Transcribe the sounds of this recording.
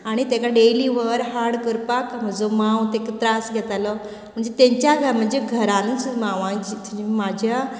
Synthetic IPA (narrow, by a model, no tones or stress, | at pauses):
aɽ̃it̪ẽkaɖeliːʋəɾɦaɾɽkəɾpakm̤əd͡zomãwt̪ekət̪ɾasɡʱɛt̪alɔ | m̤əɳd͡zet̪ẽɲt͡ɕjaɡʱam̤əɳd͡zeɡʱəɾanənt͡smaʋãd͡ʑit̪uimad͡ʑʱja